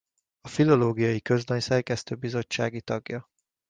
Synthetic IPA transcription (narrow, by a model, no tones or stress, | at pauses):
ɒfilo̞loːɡijɒjikø̞zd̪ɒɲsɛrkɛst̪øːbizo̞t͡ʃːaːɡit̪ɒɡjɒ